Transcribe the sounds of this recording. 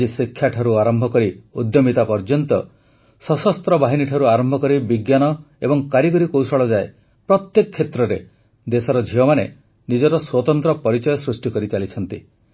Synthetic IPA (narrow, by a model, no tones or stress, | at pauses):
isikʰːjaʈʰɔɾuaɾɔmbʱɔkɔɾiud̪jɔmit̪apɔɾd͡ʒɔnt̪ɔ | sɔsɔst̪ɾɔbaɦiniʈʰɔɾuaɾɔmbʱɔkɔɾibiɡjanɔ | ebɔŋkaɾiɡɔɾikowsɔɭɔd͡ʒae | pɾɔt̪jekɔkʰːet̪ɾɔɾe | d̪esɔɾɔd͡ʒʱiɔmane | nid͡ʒɔɾɔswɔt̪ɔnt̪ɾɔpɔɾit͡ʃɔjɔsɾusʈikɔɾit͡ʃalit͡ʃʰɔnt̪i